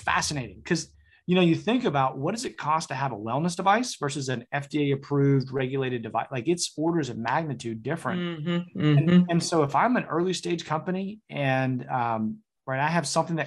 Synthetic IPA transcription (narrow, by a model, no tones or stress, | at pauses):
fæ̰sɨneɪɾɪ̃ŋkʰʌz | jɨñoʊjɨθɪ̃ŋkɨbaʊt̚wʌdʌzɨt̚kʰɔstʰɨəvə̰wɛlˠnəsd̥əvaɪsv̥ɜ˞sɨzɨ̃nɛfd̥ieɪɨpʰɹ̥ʉvd̚ɹɛɡjɨleɪɾɨdɨvaɪlaɪkɨtsɔɹɾə˞zʌmæɡ̚nɨtʰʉdɪfɹɨ̃nt̚ | ɨ̃nɨ̃nsoʊəfãɪ̃mɨ̃nɜ̰˞lˠisteɪd̥ʒ̥kʰʌ̃mpɨniʔɨ̃nʌ̃m | ɹaɪɾaɪɨv̥sʌ̃mθɪ̃ŋðɨ